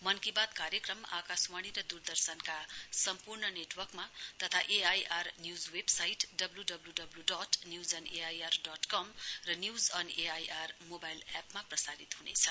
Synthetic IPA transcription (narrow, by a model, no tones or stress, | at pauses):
mʌnkibad̪kaɾjʌkrʌma̰kaswaɽ̃iɾʌd̪urd̪ʌrsʌnkasʌmpurnʌneʈwʌrkmat̪ʌt̪ʰaʔeajʔarnjud͡zwebsajʈɖʌbluɖʌbluɖʌbluɖʌtnjuwd͡zʌneajarɖʌʈkʌmrʌnjuwd͡zʌneajʔarmobajlapmaprʌsaɾit̪ɦunḛt͡sʰʌ